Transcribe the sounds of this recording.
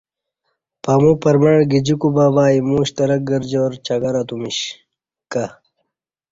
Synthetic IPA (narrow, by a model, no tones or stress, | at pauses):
pɐmupɐɾmɐɳɡid͡ʑikubabaːimuːɕt̪ɐɾɐk̚ɡɐɾd͡ʑoɾt͡ɕɐɡɐɾɐt̪umiɕ | kɐ